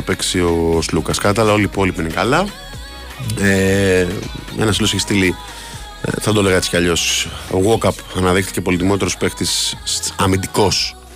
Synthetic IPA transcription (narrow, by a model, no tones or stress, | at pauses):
ɐpe̞ksio̞slukɐskɐɐt̪ɐlɐo̞liːpo̞lipiinekɐlɐ | e | ḛnɐsiloseçist̪ilḭ | θɐd̪o̞le̞ɣɐet͡si̥cɐʎo̞so̞̰ɣokɐpɐnɐðixt̪i̥ce̞po̞lit̪imo̞t̪eɾospext̪isɐmind̪iko̞s